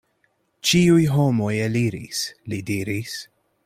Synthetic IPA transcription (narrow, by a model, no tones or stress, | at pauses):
t͡ʃiujɦomo̞jeliɾḭslidiɾis